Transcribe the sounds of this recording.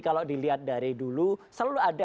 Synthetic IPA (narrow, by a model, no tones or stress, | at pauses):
kalodiliɦat̪̚daɾidulusəlulʊada